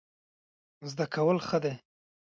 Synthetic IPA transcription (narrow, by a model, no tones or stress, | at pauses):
zd̪akawəlxəd̪e